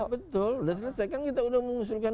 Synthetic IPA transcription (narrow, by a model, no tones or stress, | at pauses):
bət̪ʊludas̬əlasakaŋkit̪audahməŋus̬ʊlkan